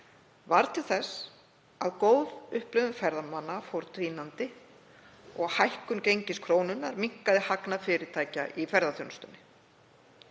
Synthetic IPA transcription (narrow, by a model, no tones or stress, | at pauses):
vaɾt̪ʰɪl̥θɛs | aðkoːwðʏhplʏðʏnfɛɾðamanːafowɾt̪viːnant̪ɪ | ɔɣhajhkʏncejɲcɪskʰɾoːwnʏnːaɾmiŋ̥kaðɪhaknafɪɾɪɾt̪ʰaːjcaʔifɛɾðaθownst̪ʏnːɪ